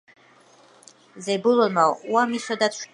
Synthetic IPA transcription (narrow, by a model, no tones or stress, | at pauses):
zejbulomawamisad̪atʰʃ